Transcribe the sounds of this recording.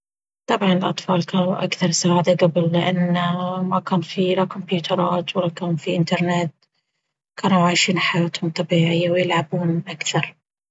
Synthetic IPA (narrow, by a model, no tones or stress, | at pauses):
t̪ˤɑbʕɑnɪlʔɑt̪ˤfɑːlkaːnuʔakθɑɾˤsaːʕad̪aɡabɪlːɪʔanmakaːnfiɾakʊmpjuːt̪ʰɑɾˤɑːt̪walːakaːnufiʔɪnt̪ɑɾˤnet̪ | kʰaːnuʕaʃiːnħajaːt̪hʊmt̪ˤɑbiːʕɪjːawjɪlʕabuːnʔakθɑɾˤ